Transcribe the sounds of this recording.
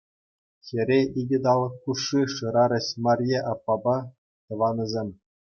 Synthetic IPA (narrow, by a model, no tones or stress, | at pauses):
xʲeɾʲeiɡʲɘ̆d̪ɑlˠɤ̆kkːuʂːiʂɯ̆ɾɑɾʲɤ̆ɕmɑrʲjeʔɑpːɑbɑ | t̪ɤ̆ʋɑnʲɤ̆zʲemʲ